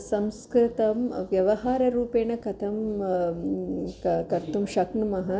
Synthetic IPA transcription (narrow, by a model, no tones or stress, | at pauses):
sɐ̃mskɾɪt̪ɐmʋjɐʋɐɦaːɾɐɾuːpeːɳɐkɐt̪ʰɐm | kɐɾt̪umʃɐknmɐɦɐ